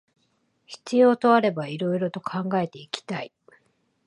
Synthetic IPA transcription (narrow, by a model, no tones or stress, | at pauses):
çi̥t͡sɨjo̞ːt̪o̞aɾe̞baiɾo̞iɾo̞t̪o̞kʰãŋɡae̞t̪e̞ikʲi̥t̪ai